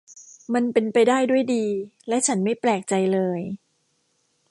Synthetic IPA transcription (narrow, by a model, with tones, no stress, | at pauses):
ma˧npe˧npa˧jdaː˥˩jdu˥˩əjdiː˧lɛ˦˥ʔt͡ɕʰa˦˥nma˥˩jplɛː˨˩k̚t͡ɕa˧jlɤː˧j